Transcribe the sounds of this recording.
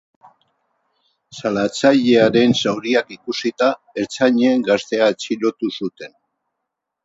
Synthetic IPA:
salat͡saʎe̞aɾe̞nsawɾiakikusit̪a | e̞ɾt͡saɲeːŋɡast̪e̞aet͡silo̞t̪usut̪e̞n

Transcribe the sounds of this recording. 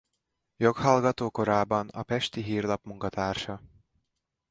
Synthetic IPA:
jo̞khɒlɡɒt̪oːko̞ɾaːbɒnɒ̰pɛʃt̪iɦiːrlɒpmuŋkɒt̪aːrʃɒ

